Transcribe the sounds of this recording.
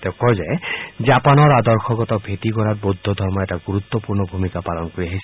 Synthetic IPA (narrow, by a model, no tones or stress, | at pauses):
t̪ekɔzed͡ʒapanɔɹad̪ɔɹxʰɔɡɔt̪ɔbʱet̪ikɔɾat̚bod̪ʱːɔd̪ʱɔɹmɔɛtaɡuɾut̪ːɔpuɹnɔbʱumikapalɔnkoɾiaɦisi